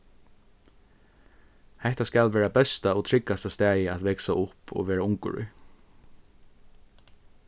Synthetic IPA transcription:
hɛht̪askalʋɛːɹabɛst̪aɔt̪ʰɾɪkːast̪ast̪æːjɪat̪ʋɛksaʔʊpʰɔ̰ʋɛːɾaʊŋkʊ̰ɹʏ̰

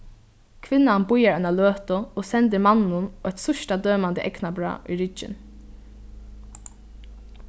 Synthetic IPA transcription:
kʰʋɪnːanbʊjaɹœnaløːt̪ʊoːsɛnd̪əɾmanːʊnœt̪sʊʃʈad̪øːmand̪əʔɛknabɾɑ̰ːʔiɹɪd͡ʒɪ̰n

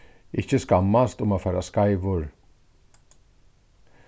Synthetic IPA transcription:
ɪçəskamːast̪ʊmafæːɾaskaɪʋʊɾ

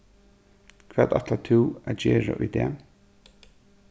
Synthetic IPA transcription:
kʰv̥ɛːt̪a̰t̪lat̪ʰɪwad͡ʑɛːɹa̰ʔʊjd̪ɛː

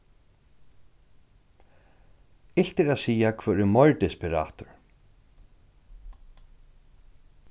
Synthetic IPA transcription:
ɪl̥t̪ɛɾaðsiːjakʰvœːɾɛmɔɹt̪ɪspɪɾa̰ːt̪ʊɹ

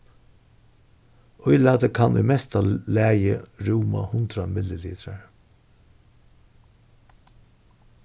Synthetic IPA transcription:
ʔɔʏlɑtd̪əkʰɑnʔʏ̰mɛst̪alæːjəɾuːma̰hʊnd̪ɾamɪləliːt̪ʰɾaɹ

